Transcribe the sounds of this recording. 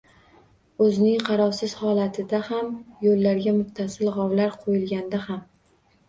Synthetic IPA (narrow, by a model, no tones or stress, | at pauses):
ɵzɪnɪŋqʰɑɾɒwsɪz̥hɒlat̪ʰɪd̪ahamjolːaɾɡʲamʊχt̪ʰasɪlʁɑwlaɾqʰojɪlɡʲand̪aham